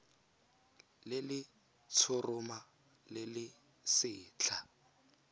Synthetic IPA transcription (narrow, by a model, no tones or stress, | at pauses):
lɪlɪ | t͡sʰʊrʊma | lɪlɪ | sɪːt͡ɬʰa